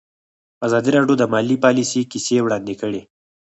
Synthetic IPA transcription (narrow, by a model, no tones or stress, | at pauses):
azɑd̪iɾɑɖjod̪əmɑlipɑlisikisewɽɑnd̪ekəɽe